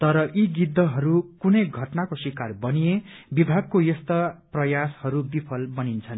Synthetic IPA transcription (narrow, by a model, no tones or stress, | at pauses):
t̪ʌɾʌʔiɡid̪ʱːʌɦʌɾukunʌjɡʱʌʈnakoswikarbʌnije | bibʱaɡ̚kojʌst̪ʌprʌjashʌɾubipʰʌlbʌnint͡sʰʌn